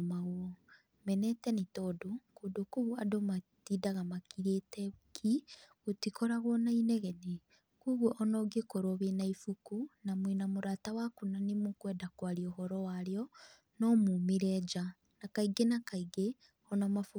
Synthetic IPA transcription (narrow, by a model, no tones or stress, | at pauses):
maɣwɔ | mɛnɛtɛnitɔdokodokuɣuadomatidaɣamakiɾetɛkʰi | otikɔɾaɣwɔnainɛɣɛne | kuɣoʔɔnɔɡekoɾoβenaifukunamwinamoɾatawakunanemokwɛdakwaɾiɔɦɔɾɔwaɾeɔ | nɔmumiɾɛd͡ʒa | nakaiɡenakaiɡe | ɔnɔmafu